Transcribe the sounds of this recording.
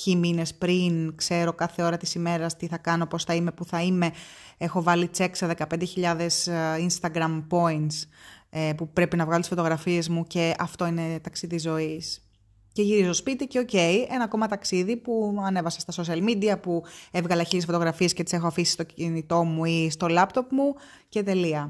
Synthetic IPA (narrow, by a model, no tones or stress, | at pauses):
cimine̞spɾinkse̞ɾo̞kɐθe̞o̞ɾɐt̪isime̞ɾɐst̪iθɐkɐno̞po̞sθɐime̞puθɐime̞e̞xo̞vɐlit͡se̞kseðe̞kɐpend̪e̞çiʎɐðe̞sinst̪ɐɡɾɐmpo̞int̪sepupɾe̞pinɐvɣɐlot̪isfo̞t̪o̞ɣɾɐfie̞zmuce̞ɐft̪o̞ine̞t̪ɐksiðizo̞is | ceʝiɾizo̞spit̪iceo̞ce̞iʔe̞nɐko̞mɐt̪ɐksiðipuɐne̞vɐsɐ̥st̪ɐso̞s̬iɐlmid̪iɐpuevɣɐlɐçit̪isfo̞t̪o̞ɣɾɐfie̞scet̪i̥se̞xoɐfisi̥st̪o̞cinit̪o̞muist̪o̞lɐpt̪o̞pmu | ce̞t̪e̞liɐ